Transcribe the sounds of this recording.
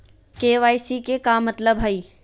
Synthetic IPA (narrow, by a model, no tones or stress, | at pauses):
keːʋaːjsikekamːɐt̪ləbɦɐiː